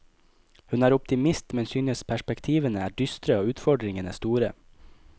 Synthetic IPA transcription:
hʉnæːɾʊpt̪ɪmɪst̪mɛnsyːnəspʰæʃpɛkt̪ʰiːʋənəæːɖʏst̪ɾəoːʉːt̪fɔɖɾɪŋənəst̪uːɾə

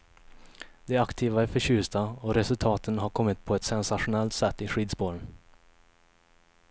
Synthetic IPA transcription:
d̪̥ɛakt̪ʰiːvaæɾfœɕʉ̟ːst̪aɔɾɛsɵlt̪ʰɑːt̪ʰənɦaɾkʰɔmːɪt̪pʰɔɛt̪sɛnsaɧʊnɛlt̪sɛt̪ːɪɧiːd̪sboːɾən

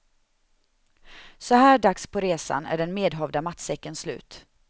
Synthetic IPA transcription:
sɔhæːɖakspʰɔɾeːsa̰næ̰ɖɛnmeːd̪ɦɔvd̪amat̪sɛkːənslʉ̟̰ːt̪

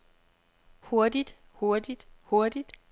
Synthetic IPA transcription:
ho̝ɐd̥id̥ | ho̝ɐd̥id̥ho̝ɐd̥id̥

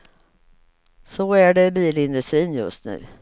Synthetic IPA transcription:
sɔæɖɛbiːlɪnd̪ɵst̪ɾiːnjɵ̰st̪nʉ̟̰ː

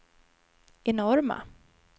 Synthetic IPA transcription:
ɛnɔɾma̰

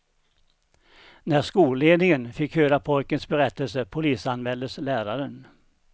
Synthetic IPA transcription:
næʂkuːleːd̪nɪŋənfɪkhøːɾapʰɔjkənsbɛɾɛt̪ːəlsəpʰʊliːsanmɛld̪əslæːɾaɾən

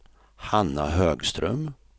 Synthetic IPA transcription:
hanːa̰ɦøːɡst̪ɾœ̰m

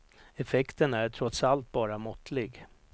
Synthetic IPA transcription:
ɛfɛkt̪ənæɾʈʰɾɔt̪salt̪̚bɑːɾamɔt̪lɪɡ

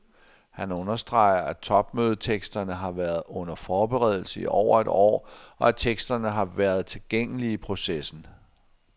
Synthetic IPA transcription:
hænɔ̽nɐsd̥ʁɑ̈ɪ̰ɐʔæt͡sʰɒ̽b̥møːð̞ˠt͡sʰeɡ̥sd̥ɐnəɦɑ̈ʋæːɐð̞̩ˠɔ̽n̰ɐfɒːb̥eʁɛð̞ˠl̩səiʔɒ̰ʊ̰ɐe̝d̥ɒ̰ːɒ̽æt͡sʰeɡ̥sd̥ɐnəɦɑ̈ʋæːɐð̞̩ˠt͡sʰe̝lɡ̥eŋ̰əliːpʰʁo̝sesn̩

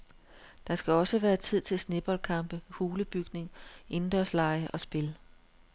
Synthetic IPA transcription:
d̥ɑ̈sɡ̥æɒ̽səʋæːɐt͡sʰið̞̰ˠt͡sʰe̝lsne̝b̥ɒ̽lkʰɑ̈mb̥əhuːləb̥yɡ̥ne̝ŋʔe̝nd̥ʁɐslɑ̈ɪəʔɒ̽sb̥e̝l

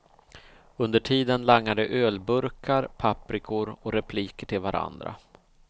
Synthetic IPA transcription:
ɵnd̪əʈʰiːd̪ənlaŋnad̪əʔøːlbɵɾkʰaɾpʰapːɾɪkʰʊɾɔɾɛpʰliːkəʈʰɪlvaɾʔa̰nd̪ɾa̰

